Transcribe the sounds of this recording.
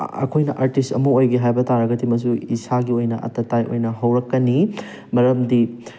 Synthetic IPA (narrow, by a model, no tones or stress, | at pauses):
ɐ̰kʰojnɐʔaɾtistɐ̰muojɡiɦajbɐtaɾɐɡɐtʰimɐs̬uisaɡiojnɐʔɐ̰tɐtajʔo̰jnɐɦɐwɾɐkːɐni | mɐɾɐmdi